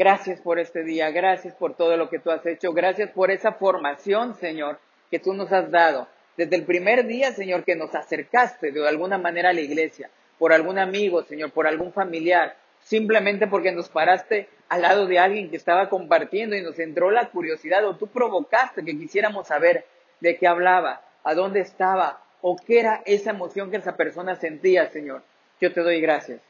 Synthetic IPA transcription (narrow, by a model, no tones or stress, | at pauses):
ɡ̥ɾasjaspo̞ɾe̞st̪e̞ðiaɣɾasjaspo̞ɾt̪o̞ð̞o̞lo̞ke̞t̪uase̞t͡ʃo̞ɣɾasjaspo̞ɾe̞safo̞ɾmasjo̞nse̞ɲo̞ɾ | ke̞t̪uno̞sazd̪að̞o̞ | d̪e̞zðelpɾime̞ɾðiase̞ɲo̞ɾke̞no̞sase̞ɾkast̪e̞ðealɣunamãne̞ɾaːlaiɣle̞sja̰ | po̞ɾalɣunamiɣo̞se̞ɲo̞ɾpo̞ɾalɣuɱfamiljaɾ | simple̞mẽnt̪̬e̞p̬o̞ɾke̞no̞spaɾast̪e̞ | alːað̞o̞ðe̞alɣje̞ŋkeːst̪aβako̞mpaɾt̪je̞nd̪o̞ino̞se̞nt̪ɾo̞lakuɾjo̞siðaðo̞t̪upɾo̞βo̞kast̪e̞k̬e̞k̬isje̞ɾamo̞sːaβe̞ɾ | d̪e̞ke̞aβlaβaː | ð̞o̞nd̪e̞ːst̪aβa | o̞keeɾaʔe̞sae̞mo̞sjo̞ŋkeesape̞ɾso̞nase̞nt̪iase̞ɲo̞ɾ | ɟ͡ʝo̞t̪e̞ð̞o̞jɣɾasjas